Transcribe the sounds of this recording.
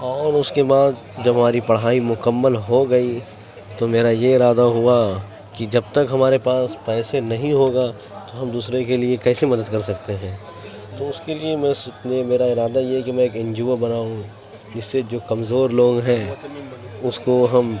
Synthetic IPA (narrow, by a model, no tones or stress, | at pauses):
ɔːɾʊskebaːd̪ | d͡ʒɐbɦɐmaːɾipɐɽɦaːimʊkəmːəlɦoɡɐi | t̪omeːɾajeɪɾaːd̪aɦua | kid͡ʒɐbt̪ɐkɦɐmaːɾepaːspɛːsenɐɦĩɦoːɡa | t̪oɦɐmd̪uːsɾekeliekɛːsemɐd̪əd̪̚kɐɾsɐk̚t̪eɦɛ̃ː | t̪oʊskeliemɛ̃snemeːɾaɪɾaːd̪ajeɦɛkimɛ̃eːkɪ̃nd͡ʒuːəbɐnaːũ | ɪsːed͡ʒoːkɐmzoːɾloːɡɦɛ̃ː | ʊskoɦɐm